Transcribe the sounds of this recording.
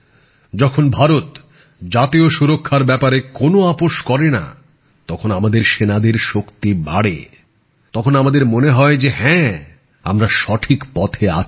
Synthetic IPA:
d͡ʑɔkʰonbʱaɾot̪ | d͡ʑat̪ioʃuɾokʰːaɾbɛpaɾekonoapoʃkɔɾena̰ | t̪ɔkʰonamad̪eɾʃenad̪eɾʃokt̪ibaɽḛ | t̪ɔkʰonamad̪eɾmoneɦɔed͡ʑeɦɛ̃ | a̰mɾaʃɔʈʰikpɔt̪ʰea̰

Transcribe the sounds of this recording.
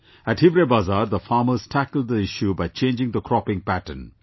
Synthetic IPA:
æʈhɪʋɾebazaːɾd̪əfɑːməz̥ʈʰækəlɖ̚d̪əɪʃjubaɪt͡ʃẽːnd͡ʒɪ̃ŋd̪əkʰɾɔpɪ̃ŋpæʈə̰n

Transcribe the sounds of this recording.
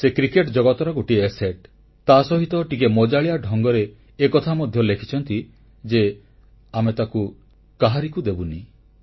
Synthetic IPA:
sekɾikeʈd͡ʒɔɡɔt̪ɔɾɔɡoʈieseʈ | t̪asɔɦit̪ɔʈikemɔd͡ʒaɭijaɖʱɔŋɡɔɾeː | kɔt̪ʰamɔd̪ʱjɔlekʰi̥t͡ʃʰɔnt̪i | d͡ʒe | amet̪aku | kaɦaɾikud̪ebuni

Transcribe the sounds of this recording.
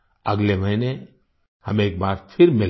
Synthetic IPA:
ɐɡleʋɐɦɪne | hɐmeːk̚baːɾpʰɪɾmɪl

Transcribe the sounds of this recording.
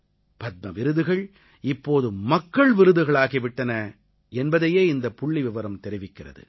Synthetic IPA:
pɐt̪̚mɐʋɪɾɯðɯɣɐɭ | ɪpːoːðɯmɐkːɐɭʋɪɾɯðɯɣɐɭaːɣiʋɪʈːɐnɐ | ɛnbɐðɐjeːɪnd̪ɐpːʊɭːiʋɪʋɐɾɐmt̪ɛɾɪʋɪkːɪrɐ̰ðɯ̰

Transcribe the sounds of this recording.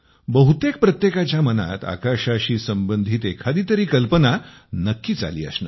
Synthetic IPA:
bəɦut̪ek̚pɾət̪jekat͡ɕjaməna̰t̪a̰kaɕaɕiːsəmbənd̪ʱiːt̪ekʰad̪iːt̪əɾiːkəlpəna | nəkːiːt͡sa̰lḭːə̰snə̰ː

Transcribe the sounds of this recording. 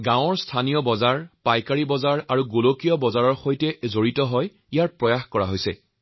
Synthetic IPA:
ɡãw̃ɔɹstʰanijɔbɔzaɹpajkaɹibɔzaɹaɹuɡolokijɔbɔzaɹɔɹxojtɛzoɹitɔɦɔj | ijaɹpɹɔjaxkɔɹaɦojsɛ̰

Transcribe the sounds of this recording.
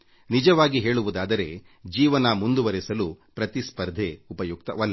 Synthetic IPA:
nid͡ʒɐʋaːɡiɦe̞ːɭuʋud̪aːd̪ɐɾe̞ | d͡ʒiːʋɐnɐmund̪uʋɐɾɛsɐlupɾɐt̪ispɐɾd̪ʱeupɐjuk̚t̪ɐ̰ʋɐlː

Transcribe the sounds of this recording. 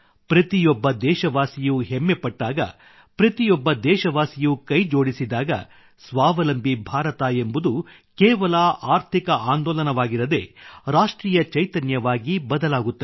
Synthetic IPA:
pɾɐt̪ijɔbːɐd̪ɛːʃɐʋaːsijuɦemːepɐʈːaːɡɐ̰ | pɾɐt̪ijɔbːɐd̪ɛːʃɐʋaːsijukɐjd͡ʒo̞ːɽisid̪aːɡɐ̰ | sʋaːʋɐlɐmbʱibʱaːɾɐt̪aembud̪u | kɛːʋɐlɐaːɾt̪ʰikɐʔaːnd̪ɔːlɐnɐʋaːɡiɾɐd̪e̞̰ɾaːʂʈɾiːjɐt͡ʃɐjt̪ɐnjɐʋaːɡibɐd̪ɐlaːɡut̪ːɐ

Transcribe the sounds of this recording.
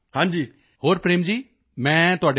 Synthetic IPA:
hãːnd͡ʒiː | hoːɾpɾeːmd͡ʒiː | mɛ̃ːt̪ʊɦaːɖe

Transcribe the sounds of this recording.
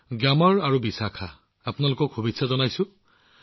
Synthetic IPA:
ɡamɔɹaɹubisakʰaː | pʊnalʊkɔkʰubitsazɔnajsʊ̃

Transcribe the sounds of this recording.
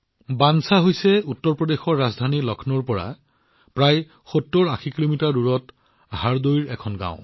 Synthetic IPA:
bansaɦojsɛutːɔɹpɹɔdexɔɹːazdʱanilɔkʰnɔɹpɔɹa̰ | pɹaj | xotːoɹaxikilomitaɹːuɹɔt | ɦaɹdojɹɛkʰɔnɡã̰ʊ̃

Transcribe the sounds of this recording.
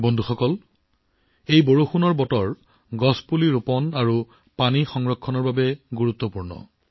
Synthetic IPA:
bɔndʱuxɔkɔl | ejboɹoxunɔɹbɔtɔɹ | ɡɔspuliɹopɔnaɹu | panixɔŋɹɔkʰːɔnɔɹbabɛɡuɹut̪ːɔpuɹnɔ̰

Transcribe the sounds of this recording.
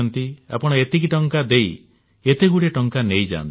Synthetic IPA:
ɔnt̪ia̰pɔɽ̃ɔet̪ekiʈɔŋkad̪ej | et̪eɡuɽeʈɔŋkanejd͡ʒa̰ːnt̪i

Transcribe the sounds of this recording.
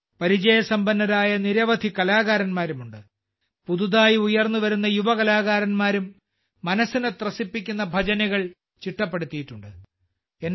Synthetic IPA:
pɐɾid͡ʑɐjɐsɐmbɐnːɐɾaːjɐniɾɐʋɐd̪ʱikɐlaːɣaːɾɐnmaːɾumuɳɖɨ | puðuðaːjiujɐrnːuʋɐɾun̪ːɐjuʋɐkɐlaːɣaːɾɐnmaːɾumː | ɐnɐsːinet̪rɐsipːik̬ʲːun̪ːɐbʱɐd͡ʑɐnɐɣɐɭ | t͡ɕiʈːɐpːe̞ɽut̪ːijiʈːuɳɖɨ | en

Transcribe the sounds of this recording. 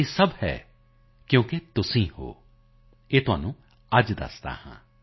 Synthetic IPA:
esɐbhɛ̰ː | kjõːket̪ʊsĩho̰ː | eːt̪ʊɦa̰ːnũː | ɐd͡ʒd̪ə̰st̪a̰hã̰ː

